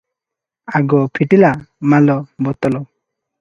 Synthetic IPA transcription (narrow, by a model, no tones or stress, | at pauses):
aɡɔpʰiʈilamalɔbɔt̪ɔlɔ